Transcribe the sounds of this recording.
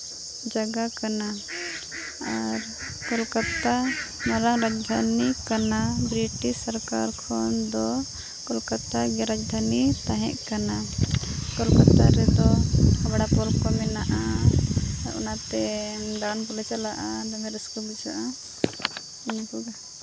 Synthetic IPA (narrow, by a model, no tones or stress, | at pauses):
d͡ʒaɡakana | aɾ | kɔlkat̪amɔɾaŋɾad͡ʒd̪ʱanikanabɾiʈisaɾkaɾkʰɔnd̪ɔ | kɔlkat̪aɡɛɾad͡ʒd̪ʱanit̪ãɦɛ̰̃ʔkana | kɔlkat̪aɾɛd̪ɔabaɽapɔlkɔmɛnaʔa | ɾɔ̰nat̪ɛd̪aɽanpɔlɛt͡ʃalaʔad̪ɔmɛɾɛskɔbid͡ʒaʔa | iɲakuɡa